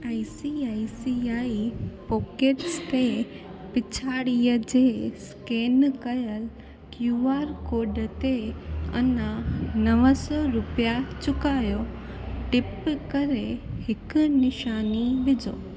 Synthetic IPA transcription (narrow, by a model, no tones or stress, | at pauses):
aːisiaːisiaːipɔːkeːʈst̪e | pɪt͡ɕʰaːɽiːəd͡ʑeːskeːnkɐjəl | kjuːaːɾkoːɖət̪eɐ̰nənɐʋəsɔɾʊpijat͡ɕʊkaːjo | ʈɪpkɐɾehɪkʊnɪʃaːniʋɪd͡ʑʱoː